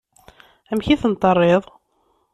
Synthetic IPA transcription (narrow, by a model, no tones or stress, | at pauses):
æmçiθənt̪ˤːərˤːeðˤ